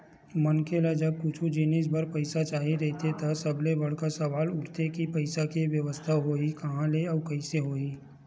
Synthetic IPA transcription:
mɐnkelad͡ʒɐb̚kʊt͡ʃʰũd͡ʒɪnɪsbɐɾpɐɪsat͡ʃaːɦiɾɛɦt̪ʰet̪asɐblebɐɽ̤kasɐʋaːlʊɾt̪ekipɐɪsakiʋjəʋəst̪ʰaɦoːikɐɦãleɔːɾkɐɪseɦoːiː

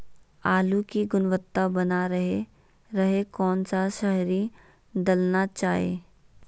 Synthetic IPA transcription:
aːlukiɡʊnʋət̪ːabɐnaɾɐɦe | ɾɐɦekɔːnsaʃɐɦɾi | d̪ɐlnat͡ʃaːɦḛː

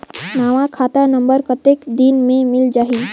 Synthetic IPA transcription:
naːʋãkʰaːt̪anə̃mbəɾkət̪ekd̪inmẽmɪld͡ʒaːɦi

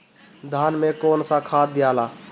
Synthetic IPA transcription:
d̪ʱanmekonsãkʰad̪̚ːijala

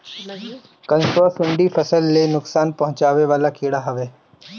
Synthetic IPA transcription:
kɐ̃nsoːsʊ̃ɳɖifʰɐsəlːenʊksaːnpɐɦʊ̃t͡ʃaːʋeʋaːlakiːɽaɦɐʋeː

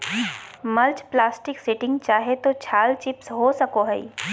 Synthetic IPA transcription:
mɐlt͡ʃplaːsʈɪksɪʈɪ̃ŋɡt͡ʃaːɦet̪ot͡ʃʰaːlt͡ʃɪpsɦoːsɐkoɦɛḭ

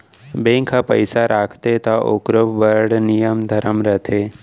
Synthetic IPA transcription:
bẽŋkʰapəjsaɾʔaːkʰt̪et̪aʔokɾəʋʋəɾɽnijəmd̪ʱɐɾəmɾət̪ʰe

